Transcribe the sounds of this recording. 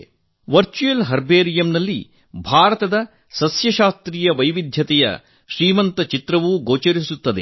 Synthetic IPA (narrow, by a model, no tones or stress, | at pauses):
ʋɐɾt͡ʃujelɦɐɾbeːɾijɐmnɐlːi | bʱaːɾɐt̪ɐd̪ɐ | sɐsjɐʃaːst̪ɾiːjɐʋɐjʋid̪ʱjɐt̪ɛjɐ̰ | ʃɾiːmɐnt̪ɐt͡ʃit̪ɾɐʋuɡoːt͡ʃɐɾisut̪ːɐd̪e